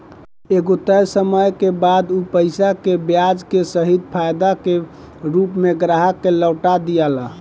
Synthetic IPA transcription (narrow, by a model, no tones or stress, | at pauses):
eɡot̪əjsəməjkebad̪upəɪsakebjad͡ʒkesəɦid̪̚pʰajd̪ake | ɾupmeɡɾaɦəkːeləʊʈad̪ijala